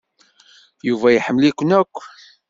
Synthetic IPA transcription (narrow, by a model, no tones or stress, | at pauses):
juvæjəħəmːlikʷːnækʷː